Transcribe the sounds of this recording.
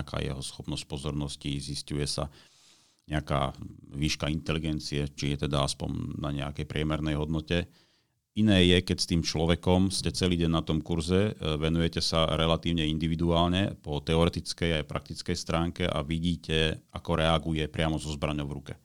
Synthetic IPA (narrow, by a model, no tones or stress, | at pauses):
aka̰ːjɛ̰ɦɔsxɔpnɔsc̚pɔzɔɾnɔsciziscujɛsa̰ | ɲɛaka̰ːʋiːʃkaint̪ɛliɡɛnt͡siɛt͡ʃijɛt̪ɛd̪aaspɔ̰ɲnaɲɛakɛjpɾɪɛmɛɾnɛjɦɔd̪nɔcɛ | inɛːjɛkɛcst̪iːmt͡ʃlɔʋɛkɔmscɛt͡sɛliːɟɛnnat̪ɔmkuɾzɛʋɛnujɛcɛsaɾɛlat̪iːʊɲɛind̪iʋid̪uaːlɲɛ̰pɔt̪ɛɔɾɛt̪it͡skɛjajpɾʔa̰k̚t̪it͡skɛjst̪ɾaːŋkɛʔa̰ʋiɟiːcɛʔakɔɾɛaɡujɛpɾɪamɔzɔzbɾaɲɔʊʋɾukɛ